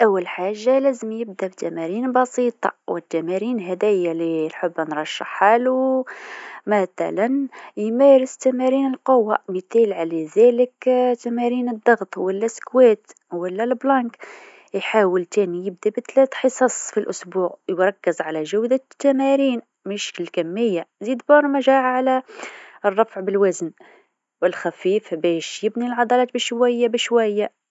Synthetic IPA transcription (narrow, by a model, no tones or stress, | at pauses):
ʔæwːælħaʒːalæzəmjəb̚d̪æbt̪æmæɾinbɑsit̪ˤɑ̰wət̪ːæmæɾinɦæd̪æjalilħəbːnɾˤɑʃːə̰ħːalu | mæt̪æ̰lænjmæɾəst̪æmæɾinəlqowːamət̪ælʕalæzæləkt̪ːæmæɾinəd̪ˤːɑɣt̪ˤwəlːæskwæt̪ | wəlːælblɑk | jħaːwəlt̪ænijəb̚d̪ibət̪læt̪ħəsˤɑsˤfilʔʊsbuːʕjɾˤɑkːəzʕalæʒæwd̪at̪ːæmæɾiːn | mɪʃkəlkæmːəjːazid̪bɑɾˤmæʒæʕaʕalæ | rˤːɑfʕbəlwæzən | wəlxæfifbæʃjəbnilʕɑd̪ˤɑlɑːt̪̚bəʃwæjːabəʃwæjːa